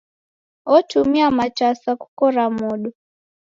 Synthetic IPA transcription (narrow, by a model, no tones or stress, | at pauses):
ɔtumiamat͡ʃasaku̥kɔɾamɔɗɔ